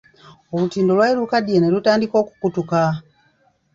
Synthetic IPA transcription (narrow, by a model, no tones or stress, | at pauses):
olutiːndolwailukadjenelutaːndiko̞ːku̥kutuka